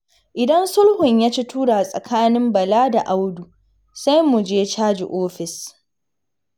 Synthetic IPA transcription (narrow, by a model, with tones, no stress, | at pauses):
ʔɪ˨dɐ˦nsʊ˦lhʊ˨ɲjaː˦t͡ʃi˦tuː˦ɽa˨sʼɐ̰˨kʰaː˦nɪ˦mbɐ˨laː˦da˨ʔa˦wdu˨ | sa˦jmʊ˨d͡ʒeː˦t͡ʃaː˦d͡ʒḭ˨ʔoː˦ɸɪ˨s